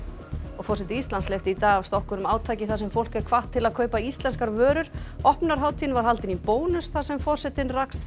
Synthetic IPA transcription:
ɔɣfɔrsɛt̪ɪist̪lanslejft̪ɪit̪aːɣavst̪ɔhkʏnʏmaːwt̪ʰaːjcɪθasɛmfowl̥kɛɾkʰvaht̪ʰːɪlaðkʰœːɥpaist̪lɛnskaɾvœːɾʏɾ̥ɔhpnaɾ̥ɦaːwt̪ʰinvaɾ̥ɦalt̪ɪnipoːwnʏsθasɛmfɔr̥sɛt̪ɪnrakst̪

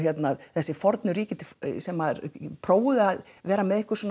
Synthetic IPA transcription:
çjɛt̪naðθɛsːɪfɔɾt̪nʏɾiːcɪt̪ɪsɛmapʰɾoːwðɪaðʋɛːɾamɛðɪhkʏ̥ɾsɔn

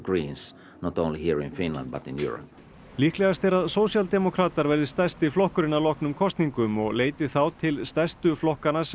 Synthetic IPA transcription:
ɡɹĩːns | nɔt̪õʊ̃nlihiɹɪ̃nfɪ̃nlã̰nd̪bat̪ɪ̃njṵːɹə̰p̚ | lihklɛɣast̪ɛɾaðsoːwsjalt̪ɛmɔkʰɾaːt̪aɾvɛɾðɪst̪ɛst̪ɪflɔhkʏɾɪnalɔhknʏmkʰɔst̪niŋkʏmɔɣleːjt̪ɪθawt̪ʰɪlst̪ɛst̪ʏflɔhkanas

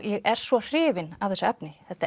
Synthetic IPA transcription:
jɛɣɛɾ̥svɔr̥ɪːvɪnav̥θɛsʏɛpnɪθɛht̪a

